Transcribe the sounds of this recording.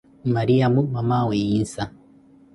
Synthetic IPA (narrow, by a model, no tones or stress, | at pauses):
maɾiabumamaweinsa